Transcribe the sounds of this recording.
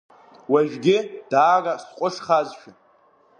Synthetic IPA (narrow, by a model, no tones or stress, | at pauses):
waʒᶣʷɡʲɪd̥aːrasqʷʼʊʂχazʃᶣɪ